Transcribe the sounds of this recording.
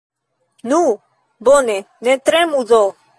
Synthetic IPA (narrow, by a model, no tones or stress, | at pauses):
nu | bɔnɛ | nɛt̪ɾɛ̃mũd͡zɔ